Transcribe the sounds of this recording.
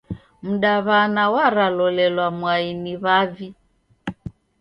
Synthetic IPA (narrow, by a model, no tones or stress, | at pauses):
m̩ɗaβanawaɾalɔlɛlwamwainiβavi